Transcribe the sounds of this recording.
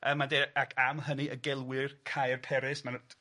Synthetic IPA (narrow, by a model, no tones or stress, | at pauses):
ʔəmːadeːakʰamɦəniʔəɡɛlˠwɪrkʰajrpʰɛɾɪsmand